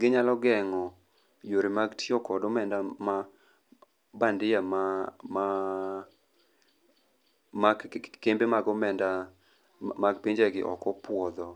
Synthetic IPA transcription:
ɡɪɲalɔɡɛŋɔ | joɾimaɡtʰiɔkɔdɔmɛndama | bandɪjamama | makembemaɡɔmɛnda | maɡpiɲd͡ʒaɡɪʔɔ̰kɔpwɔd̪ɔ

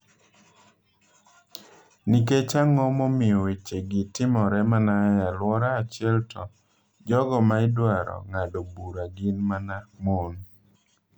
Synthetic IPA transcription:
niket͡ʃaŋɔmomɪɔwet͡ʃeɡɪtɪmɔɾɛmanajalwɔɾaːt͡ʃɪɛltʰɔ | d͡ʒɔɡɔmaɪdwaɾɔ̰ŋadobuɾaɡɪnmanamon

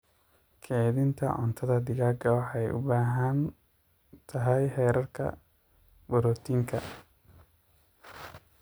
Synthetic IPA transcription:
kʰɛːðɪnt̪ʰɐ̰ʕɔ̰nt̪ʰɐðɐd̪ɪɣaːɡɐwɑħɑjʔʊ̰baːɦɐn | t̪ʰɐɦɛjħɛːɾɐrkʰɐ̰ | bɔɾɔːt̪ʰiːŋkʰɐ̰

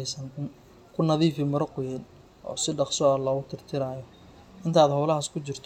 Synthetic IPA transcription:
jsɐnɪn | kʰʊnɐðiːfɪmʊɾɐqʊjɛn | ʔɔ̰ːsɪɖɑqsɔlɐʊt̪ʰɪrt̪ʰɪɾaːjɔ | ʔɪnt̪ʰaːd̪hɔwlɐɦaːskʰʊt͡ʃɪrt̪ʰ

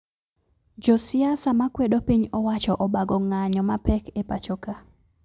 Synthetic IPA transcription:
d͡ʒɔsɪasamakwedopiɲɔwat͡ʃɔʔɔbaɡɔŋaɲɔmapɛkepat͡ʃoka

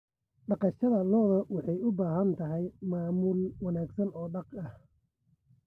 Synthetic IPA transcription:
ɖɑqɑʃɐðɐlɔːðɔwɑħɑjʊbaːɦɐnt̪ʰɐɦɛjmaːmʊːlwɑnaːɡsɐnɔːɖɑqɐh

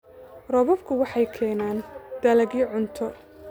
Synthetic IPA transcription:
rɔβɔbkʰʊwɑħɑjkʰɛːnaːnd̪̥ɐlɐɣiːʕʊnt̪ʰɔ

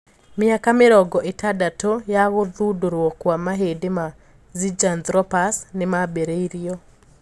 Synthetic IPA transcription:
mɪakameɾɔɡɔʔetadatojaɣoðudoɾwɔkwamaɦedema | zid͡ʒand̪ɾɔpasnemabeɾeiɾiɔ

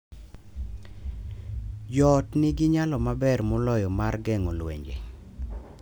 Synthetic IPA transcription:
d͡ʒɔtnɪɡɪɲalɔmabɛrmɔlɔjɔmarɡɛŋolwḛɲd͡ʒḛ

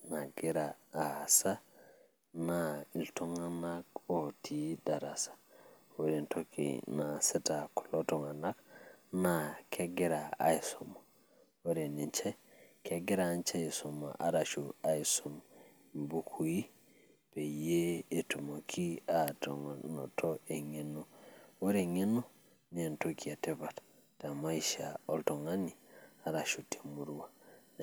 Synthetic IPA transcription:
naɡiɾaːsa | nailtoŋanakotʰidaɾasḁ | woɾintokḭnasɛtaku̥lotɔŋanaknakʰeɡiɾaa̰jsum | woɾenint͡ʃɛkeɡiɾant͡ʃaisumːa̰ʔaɾaʃuaisom | mbukʰuji | pejeetumokʰiato̰ŋno̰tʰoeŋenowoɾeŋenu | nientokiatebat | tamaiʃaoltoŋaniaɾaʃute̥muɾwa

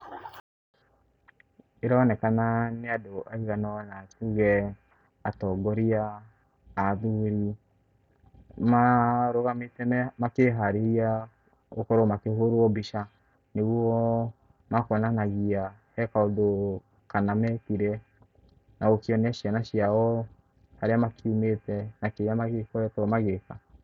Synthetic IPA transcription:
eɾanɛkananeadoʔaiɣanɔnatuɣɛ | atɔɡɔɾiaː | ðuɾi | maɾoɣametɛmakeɦaɾeɾia | okɔɾɔmakeɦoɾoɔbiʃa | newɔ | makɔnanaɣiahɛkaodo | kanamɛtiɾɛ | naokiɔneaʃianaʃiaɔ | haɾeamakiumetɛnakejamaɣekɔɛtɔmaɣeka

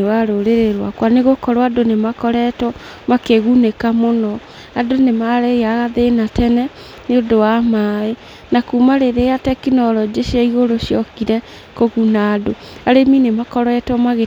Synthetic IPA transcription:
waɾoɾeɾeɾwakwaneɣokɔɾwadonemakɔɾɛtɔ | makeɣunekamonɔ | adonemaɾejaɣaðenatɛnɛ | neodowamaːe | nakumaɾeɾeatɛkinɔɾɔd͡ʑeʃiaiɣoɾoʃjɔkiɾɛ | koɣunaːdo | aɾeminemakɔɾɛtwɔmaɣe

